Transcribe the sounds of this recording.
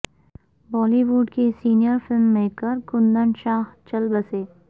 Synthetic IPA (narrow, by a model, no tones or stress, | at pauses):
bɔːliʋuːɖkesiːnijəɾfɪlmːeːkəɾkʊnd̪əɳʃaːht͡ʃɐlbɐseː